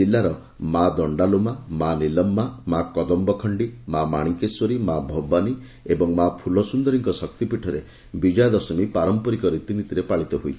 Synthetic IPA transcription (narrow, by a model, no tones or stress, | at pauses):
ilːaɾɔ | mad̪ɔɳɖalumamanilɔmːamakɔd̪ɔmbɔkʰɔɳɖimamaɽ̃ikesɔɾimabʱɔbani | ebɔŋmapʰulɔsund̪ɔɾiŋkɔsɔk̚t̪ipiʈʰɔɾe | bid͡ʒajd̪ɔsɔmipaɾɔmpɔɾikɔɾit̪init̪iɾepaɭit̪ɔɦuj